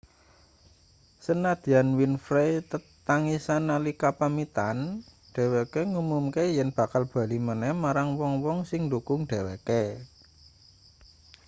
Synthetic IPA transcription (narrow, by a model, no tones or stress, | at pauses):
sənad̪̥i̤anwinfɾejt̪ət̪aŋisanːalikapamit̪an | ɖ̥ɛ̤wɛkeŋumumkejɛnb̥ä̤kalb̥a̤limənɛhmaɾaŋwɔŋwɔŋsɪŋdukʊŋɖ̥ɛ̤weke